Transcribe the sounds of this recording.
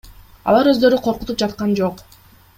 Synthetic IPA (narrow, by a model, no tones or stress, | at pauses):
ɑ̰lˠɑɾø̞zd̪ø̞ɾyqʰo̞ɾqut̪up̚d͡ʒɑt̪qɑnd͡ʒo̞q